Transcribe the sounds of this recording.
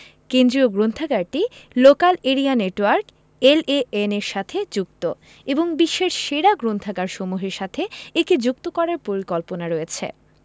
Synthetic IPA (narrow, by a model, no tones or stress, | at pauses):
kend̪ɾioɡɾont̪ʰaɡaɾʈilokaleɾianeʈwaɾk | eleeneɾʃat̪ʰed͡ʑuk̚t̪o | eboŋbiʃːeʃʃeɾaɡɾont̪aɡaɾʃomuɦeɾʃat̪ʰeeked͡ʑuk̚t̪okɔɾaɾpoɾikɔlponaɾojet͡ɕʰḛ